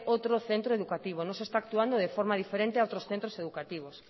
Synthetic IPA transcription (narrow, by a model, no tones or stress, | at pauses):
ʔot̪ɾoθent̪ɾoeðukat̪iβ̞onõŋsest̪aːk̚t̪uand̪oðefɔɾmaðifeɾẽnt̪eaowt̪ɾosθẽnt̪ɾoseðukat̪iβ̞os